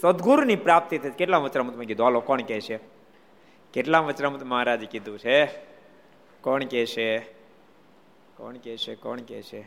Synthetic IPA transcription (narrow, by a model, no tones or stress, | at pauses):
səd̪ɡuɾnipɾaːp̚t̪it̪ʰɐjt͡ʃʰkeʈlãʋət͡ʃnamət̪mãkid̪ʱaːlokɔːɳkɛt͡ʃʰe | keʈlãʋət͡ʃnamut̪məɦaɾaːd͡ʒikid̪ũt͡ʃʰe | kɔːɳkɛʃʰe | kɔ̰ːɳkɛʃekɔ̰ːɳkɛ̰t͡ʃʰe